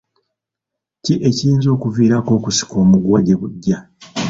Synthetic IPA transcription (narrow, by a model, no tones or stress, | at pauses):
ciʔe̞ciiːnzo̞ːkuviːɾako̞ːkusi̥ko̞ːmuɡwaɟe̞βuɟːa